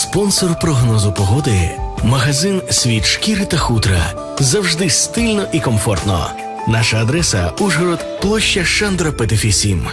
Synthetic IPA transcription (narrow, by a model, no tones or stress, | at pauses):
spɔnsɔrpɾɔɦnɔzʊpɔɦɔd̪ɪmɐɦɐzɪnsʲʋʲit̪ʃkiɾɪt̪ɐxut̪ɾɐ̰ | zɐwʒd̪ɪst̪ɪlʲnɔʔikɔmfɔrt̪nɔ̰ | naʃɐːd̪ɾɛsɐuʒɦɔɾɔt̪plˠɔʃt͡ʃːɐʃɛnd̪ɾɐpet̪ɪfʲisʲim